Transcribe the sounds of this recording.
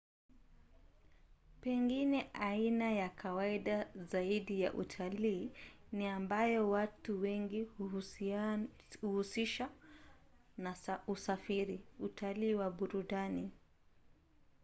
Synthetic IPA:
pɛŋɡinɛʔainajakʰawaiɗazaiɗijaʔṵtʰaliːniambajɔwatuwɛŋɡi | uhusiʃa | nausafiɾiutʰaliːwaɓuɾuɗani

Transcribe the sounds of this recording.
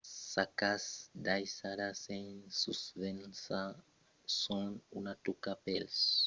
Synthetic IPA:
sakasd̪ajsaɾasensuspensa | sonunat̪ukapels

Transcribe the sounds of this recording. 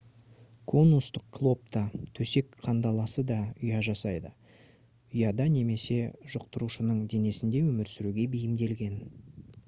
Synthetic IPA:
kʰo̞nust̪əq̚kʰlˠo̞p̚t̪ɑt̪ʰɵse̞kqʰɑnd̪ɑlˠɑsəd̪ɑʏjɑʒɑsɑjd̪ə | ʏjɑd̪ɑne̞me̞se̞ʒ̥ʊq̚t̪əɾuʃənəɴd̪e̞ne̞sɪnd̪e̞wɵmɪɾsʏɾuɡʲe̞bejɪmd̪e̞lɡʲe̞n

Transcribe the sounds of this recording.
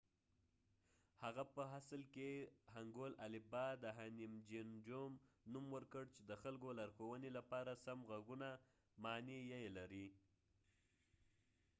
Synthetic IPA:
haɣapəɦaslkehaŋɡolalɪbɑd̪əɦanimd͡ʒind͡ʒomnumwəɾkəɽt͡ʃed̪əxalkolaɾxowənelapɑɾasamɣaɡuna | mɑnijajelaɾi

